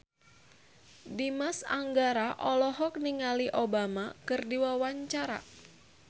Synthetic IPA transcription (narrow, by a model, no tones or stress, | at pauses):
dimasa̰ŋɡaɾaʔɔlɔɦɔk̚niŋaliʔobamakɨrdiwawaɲt͡ʃaɾa̰